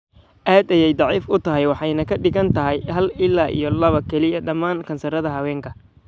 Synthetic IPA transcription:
ʔaːd̪ɐjɛjd̪ˤɑʕiːfʊt̪ʰɐɦɛjwɑħɑjnɐkʰɐɖɪɣɐnt̪ʰɐɦɪjhɐlɪlːaːʔḭjɔlɐβɐkʰɛlɪɐɖɐmːaːŋkʰɐnsɐɾɐðɐɦɐwɛːŋkʰɐ

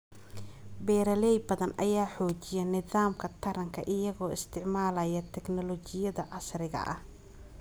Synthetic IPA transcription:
bɛːɾɐlɛjbɐðɐnʔɐjaːħɔːt͡ʃɪjɛnɪðaːmkʰɐt̪ʰɐɾɐŋkʰɐʔɪjɐɣɔːɪst̪ʰɪʕmaːlɐjɐt̪ʰɛknɔlɔt͡ʃɪjɐðɐʕɑsrɪɣɐ̰ʔɐ̰h

